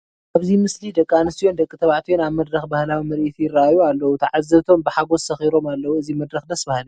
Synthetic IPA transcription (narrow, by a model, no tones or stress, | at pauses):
ʔaβzimɨslid̪ɐkʼːanɨsijo̞nd̪ɐkʼːit̪ʰɐβʕt̪ʰijonaβmɐd̪ɾɐxbahlawimɐɾʔit̪ʰijɪrːaajualːɐwut̪ʰaʕazːɐβt̪ʰo̞mbɨħaɡo̞ssɐxiɾo̞malːɐwuɨzimɐd̪ɾɐxd̪ɐsbahl